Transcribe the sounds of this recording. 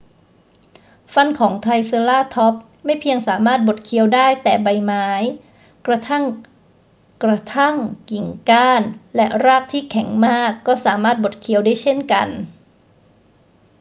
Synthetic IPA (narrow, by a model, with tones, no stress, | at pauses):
fa˧nkʰɔː˩˦ŋt̪ʰa˧jsɤ˧laː˥˩t̪ʰɔ˦˥p̚ | ma˥˩jpʰi˧əŋsaː˩˦maː˥˩t̪̚bo˨˩t̪̚kʰi˧əwdaː˥˩jt̪ɛː˨˩ba˧jmaː˦˥j | kɾa˧t̪ʰa˥˩ŋ | kɾa˧t̪ʰa˥˩ŋki˨˩ŋkaː˥˩nlɛ˦˥ʔɾaː˥˩k̚t̪ʰiː˥˩kʰɛ˩˦ŋmaː˥˩kːɔː˥˩saː˩˦maː˥˩t̪̚bo˨˩t̪̚kʰi˧əwdaː˥˩jt͡ɕʰe˥˩nka̰˧n